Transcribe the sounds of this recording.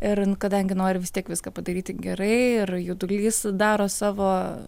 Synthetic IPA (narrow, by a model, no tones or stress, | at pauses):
ɪrnʊkɐd̪ɐŋʲɡʲɪnoːɾʲɪʋʲɪst̪ʲiɛkʋʲɪskɐːpɐd̪ɐɾʲiːt̪ʲɪɡʲɛɾɐɪɪrjʊd̪ʊlʲiːsd̪ɑːɾoːsɑːʋoː